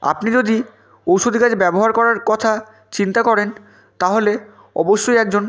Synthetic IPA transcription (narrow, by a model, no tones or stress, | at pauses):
a̰pnid͡ʑod̪i | owʃod̪ʱikad͡ʑebɛboɦaɾkɔɾaɾkɔt̪ʰa | t͡ɕint̪akɔɾen | t̪aɦole | ɔ̰boʃːojɛk̚d͡ʑon